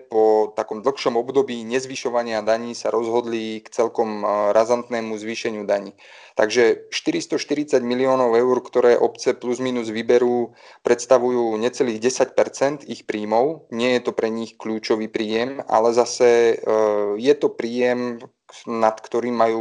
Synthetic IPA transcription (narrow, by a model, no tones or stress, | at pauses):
pɔt̪akɔmd̪l̩ˠxʃɔmɔbd̪ɔbiːɲɛzʋiʃɔʋaɲɪad̪aɲiːsaɾɔzɦɔd̪likt͡sɛlkɔmɾazant̪nɛːmuzʋiːʃɛɲɪud̪aɲiː | t̪a̰ɡʒɛʃt̪iɾist̪ɔʃt̪iɾit͡saɟmiliɔːnɔʊɛʊɾkt̪ɔɾɛːʔɔpt͡sɛpluzmiːnuzʋibɛɾuː | pɾɛt̪st̪aʋujuːɲɛtt͡sɛliːɣɟɛsacpɛɾt͡sɛnt̪ixpɾiːmɔʊɲɪɛjɛt̪ɔpɾɛɲixkʎuːt͡ʃɔʋiːpɾiːjɛma̰lɛzasɛ | jɛt̪ɔpɾiːjɛm | nat̪kt̪ɔɾiːmːajuː